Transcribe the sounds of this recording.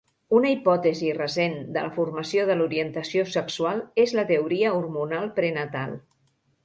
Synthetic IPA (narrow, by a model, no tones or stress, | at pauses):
unəipɔt̪əzirəsend̪ələfuɾməsioðəluɾiənt̪əsiosəksualˠezlət̪əuɾiəuɾmunalˠpɾenət̪alˠ